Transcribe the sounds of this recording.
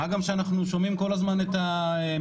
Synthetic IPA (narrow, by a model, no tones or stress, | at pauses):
aɡamʃeanaχnuʃo̞mimko̞lazmanet̪a | e